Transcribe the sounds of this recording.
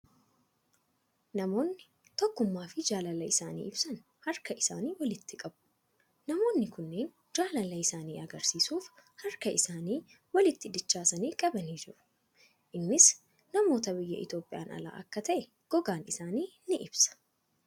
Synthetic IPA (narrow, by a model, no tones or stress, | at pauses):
nɐmo̞ːnːɪ | t̪ɔkːʊmːaːfɪd͡ʒaːlɐlɐɪsaːnḭːɪbsɐn | hɐɾkɐʔɪsa̰ːniːwɐlɪt̪ːɪkʼɐbʊ̥ | nɐmo̞ːnːɪkʊnːeːn | d͡ʒaːlɐlɐɪsaːnḭːʔɐɡɐɾsiːsuːf | hɐɾkɐʔɪsaːniː | wɐlɪt̪ːɪd̪ɪt͡ʃːaːsɐniːkʼɐbɐniːd͡ʒɪɾʊ̥ | ʔɪnːɪs | nɐmo̞ːt̪ɐbɪjːɐ̰ʔɪ̰t̪jo̞ːpʼɪja̰ːnɐ̰la̰ːʔɐ̰kːɐt̪ɐʔɛ | ɡ̥ɔɡaːnɪsaːniːnɪʔɪb̥sɐ̥